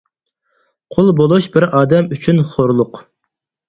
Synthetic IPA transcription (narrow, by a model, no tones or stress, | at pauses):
qʰʊlˠbolˠuʃbɪɾɑːd̪ɛmyt͡ʃʰynχoɾlˠʊq